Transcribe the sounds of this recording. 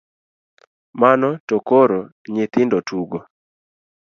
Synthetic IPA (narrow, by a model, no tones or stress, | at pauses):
manɔtokoɾo | ɲɪt̪ɪndɔtʰuɡo